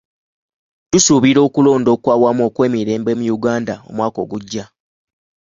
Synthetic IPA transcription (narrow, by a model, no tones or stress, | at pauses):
tusuβiɾo̞ːkulo̞ːndo̞ːkwaːwamuo̞kwe̞ːmiɾe̞ːmbe̞mujuɡaːndao̞̰mwaːko̞ːɡuɟːa